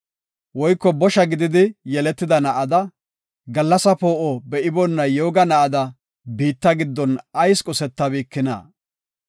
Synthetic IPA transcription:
wɔjkːɔbɔʃɐɡɪd̪ɪd̪ɪjɛlɛt̪ːɪd̪ɐnɐʔɐd̪ɐ | ɡɐlːɐsɐpo̞ːʔɔbɛʔɪbɔnːɐjoːɡɐnɐʔɐd̪ɐ | biːt̪ːɐɡɪd̪ːɔnɐjskʼʊsɛt̪ːɐbiːkːɪnɐ̰ː

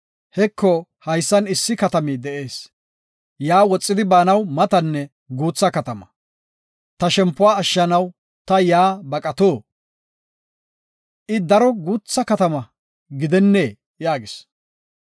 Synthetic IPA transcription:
hɛkʰːɔhɐjsːɐnɪsːɪkɐt̪ɐmiːd̪ɛʔe̞ːs | jaːwɔt͡sʼːɪd̪ɪbaːnɐwmɐt̪ɐnːɛ | ɡuːt͡sːɐkɐt̪ɐmɐ | t̪ɐʃɛmpːʊwaːʃːɐnɐw | t̪ɐjaːbɐkʼɐt̪oː | ʔɪd̪ɐɾɔɡuːt͡sːɐkɐt̪ɐmɐ | ɡɪd̪ɛnːeː | jaːɡɪs

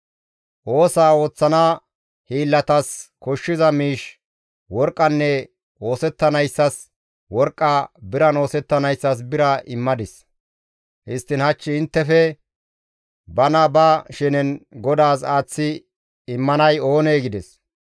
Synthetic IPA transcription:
ʔo̞ːsaːo̞ːt͡sːɐnaː | hiːlːɐt̪ɐskɔʃːɪzɐmiːʃ | wɔɾkʼːɐnːɛ | o̞ːsɛt̪ːɐnɐjsːɐs | wɔɾkʼːabɪɾɐno̞ːsɛt̪ːɐnɐjsːɐs̬bɪɾɐʔɪmːɐd̪ɪs | hɪst̪ːɪnhɐt͡ʃːɪɪnt̪ːɛfɛ | bɐnɐbɐʃɛnɛnɡɔd̪aːsaːt͡sːɪ | ɪmːɐnɐjo̞ːneːɡɪd̪ɛs

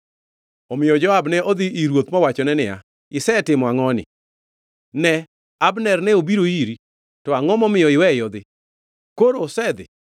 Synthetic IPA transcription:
ɔmɪjɔd͡ʒɔabnɛʔɔd̪ɪʔiɾwot̪mɔwat͡ʃɔnɛnɪa̰ | ɪsɛtɪmɔaŋɔnɪ̰ | nɛ | abnɛɾnɛobiɾoiɾi | tɔaŋɔmɔmɪjɔɪwɛjɔd̪ɪ | koɾosɛd̪ɪ̰

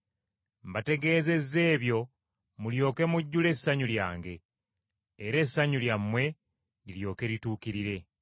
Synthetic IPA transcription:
mbate̞ɡe̞ːze̞ze̞ːβjo̞ | muljo̞ːke̞muɟːule̞sːaɲuljaːŋɡe̞ː | ɾe̞saɲuljamːwe̞ | liljo̞ːke̞ɾituːkiɾiɾe̞

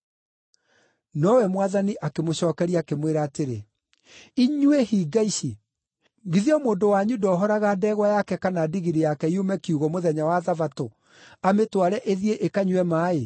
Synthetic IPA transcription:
nɔwɛmwaðaniʔakemoɕɔːkɛɾiakemweɾaːteɾe | iɲwehiːɡaiɕi | ŋɡiðiɔmoːndowaɲudɔɔɦɔɾaɣaːdɛːɣwajakɛkanadiɣiɾijakɛiomɛkiuɣɔmoðɛɲawaðavato | ametwaɾɛʔeðieʔekaɲuwɛmaːe

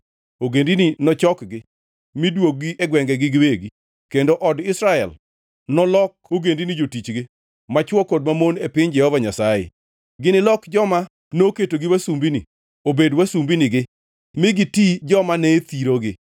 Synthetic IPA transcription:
oɡendininɔt͡ʃɔkɡɪ | midwok̚ɡiʔeɡwɛŋɡɛɡɪɡɪweɡi | kendoʔɔdɪsɾaɛl | nɔlɔkoɡendinid͡ʒotit͡ʃɡɪ | mat͡ʃwɔkod̚mamonepɪɲd͡ʒɛhɔvaɲasajḛ | ɡɪnɪlɔkd͡ʒɔma | noketoɡɪwasumbini | obedwasumbinɪɡɪ | mɪɡɪtid͡ʒɔmanɛt̪iɾoɡɪ

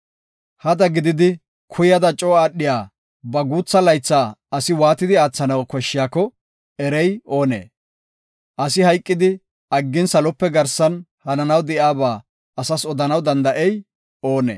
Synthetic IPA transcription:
hɐd̪ɐɡɪd̪ɪd̪ɪ | kʰʊjɐd̪ɐt͡ʃʼoːaːɗɪjaː | bɐɡuːt͡sːɐlɐjt͡sːaːɐsɪwaːt̪ːɪd̪ɪaːt͡sːɐnɐwkɔʃːɪjaːkɔ | ɛɾɛjo̞ːnḛː | ʔɐsɪhɐjkʼːɪd̪ɪ | ɐɡːɪnsɐlɔpːɛɡɐɾsɐnhɐnɐnɐwd̪ɛjaːbaː | ɐsɐsɔd̪ɐnɐwd̪ɐnd̪ɐʔɛj | oːnḛː

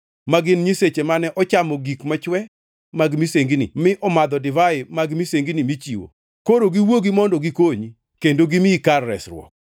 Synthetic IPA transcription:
maɡɪnɲiset͡ʃemanɛʔɔt͡ʃamɔɡikmat͡ʃwɛ | maɡmiseŋɡinḭmɪʔɔmad̪ɔdɪvaɪmaɡmiseŋɡinimit͡ʃiwo̰ | koɾoɡiwoɡimɔndɔɡikoɲi | kendoɡimikarːɛsɾwɔ̰k̚

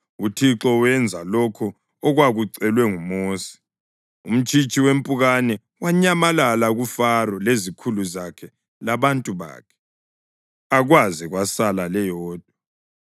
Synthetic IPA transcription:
utʰiǁɔwɛnd͡zʱalɔkʰɔː | ɣwaɣuǀɛlwɛŋumoːsi̥ | um̩t͡ʃʰʼit͡ʃʼiwempʼuɣanɛ | waɲamalalaɣufarɔlezikʰuluzakʰɛ | laβantʼuβa̰ːkʰɛ̥ | aɣwaziɣwasalalɛjɔːd̥ʱwɔ

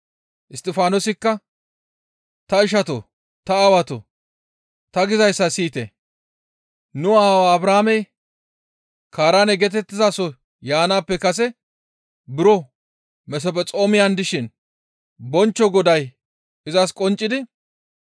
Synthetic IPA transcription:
ʔɪst̪ʼɪfaːnosɪkːɐ | t̪ɐɪʃ̬ɐt̪ɔ | t̪ɐɐwɐt̪ɔ̰ | t̪ɐɡɪzɐjsːɐsiːt̪ɛ | nʊaːwaːbɾaːmɛj | kaːɾaːnɛɡɛt̪ɛt̪ːɪzasɔ | jaːnaːpːɛkɐs̬ɛ | bɪɾɔ | mɛs̬ɔbɛt͡sʼo̞ːmɪjand̪ɪʃɪn | bɔnt͡ʃːɔɡɔd̪ɐj | ɪzɐskʼɔnt͡ʃʼːɪd̪ɪ

